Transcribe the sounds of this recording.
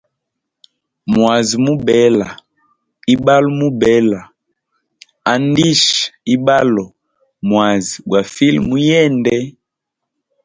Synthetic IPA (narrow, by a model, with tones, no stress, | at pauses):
mwa˨zi˨mu˦bɛ˨˦la˨ | i˦ba˦lɔ˦mu˦bɛ˨˦la˨ | a˨n˦di˦ʃi˦ba˦lɔ˨ | mwa˨zi˨ɡwa˨fi˦lmu˦jɛ˦˨ndɛ˦